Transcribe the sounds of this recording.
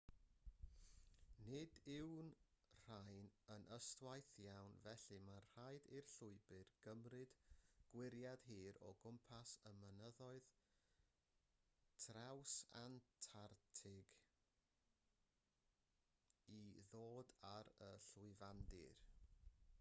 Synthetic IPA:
nɪdɪwnr̥ajnənʔəstwajθjawnvɛɬɨmḁajdirɬʊɨbɨrɡ̥əmrɨd̥ɡ̥wɪɾjad̥ɦiːɾɔ̰ɡʊmpʰasəmənəðɔɨð | tʰrawsa̰ntʰartʰɪɡ | iðoːdaɾəɬʊɨvandɪ̰r

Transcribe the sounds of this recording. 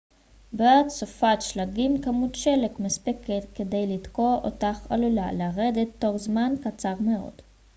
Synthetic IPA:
beatsofatʃlaɡimkamutʃelekmespeket̪ke̞de̞jlidko̞o̰taχa̰lula̰laʁedet̪ːo̞χzmankat͡saʁmeo̞̰d̥

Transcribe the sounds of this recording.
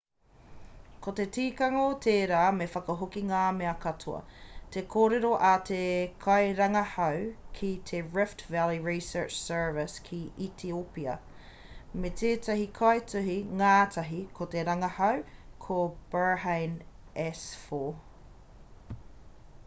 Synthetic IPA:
kot̪etiːkɐŋot̪ʰeːɾaːmefɐkɐɦokiŋaːmeɐkɐtʰuɐ̰t̪ekʰoːɾeɾoʔɐt̪ʰekʰɐjɾɐŋɐhɐwkʰit̪ʰeɹɪftvæliɹisə˞t͡ʃsɜ˞vɪskʰiit̪ʰiopiɐ | metʰeːtʰɐɦikʰɐetʉɦiŋaːtʰɐɦikʰot̪eɾɐŋɐhɐwkʰob̥ə˞ɦejnɛsfo

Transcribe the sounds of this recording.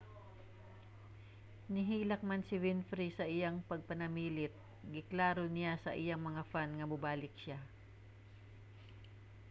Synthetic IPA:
nɪɦiːlɐk̚mansɪvɪnfɾisɐʔɪjaŋpɐɡ̚pɐnɐmiːlɪt̪̚ | ɡɪklaːɾonɪjasɐ̰ʔɪjaŋmɐŋafanŋɐbʊbaːlɪk̚ʃa

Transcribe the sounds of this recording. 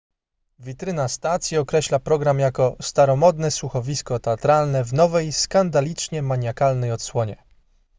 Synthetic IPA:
vʲit̪ɾɘnast̪at̪sʲjiɔkɾɛɕlapɾɔɡɾamjakɔst̪aɾɔmɔd̪nɛsuxɔvʲiskɔt̪ɛat̪ɾalnɛvnɔvɛjskand̪alʲit͡ʂɲɛmaɲjakalnɛjɔt̪swɔɲɛ

